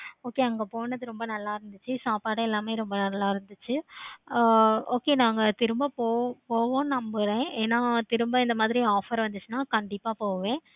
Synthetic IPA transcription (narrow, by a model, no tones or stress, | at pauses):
oːkeɐŋɡɐpoːɳɐðɯɾɔmbɐnɐlːaːɪɾɯnd̪ɯt͡ʃːɯsaːpaːɽɐɛlːaːmeːɾɔmbɐnɐlːaːɪɾɯnd̪ɯt͡ʃːɯ | oːkenãːŋɡɐt̪ɪɾɯmbaːpoːpoːʋõːnɐmbɯɾẽːeːnːaːt̪ɪɾɯmbaːɪnd̪ɐmaːðɪɾiaːfɐɾʋɐnd̪ɯt͡ʃːɯnaːkɐɳɖɪpːaːpoːʋẽː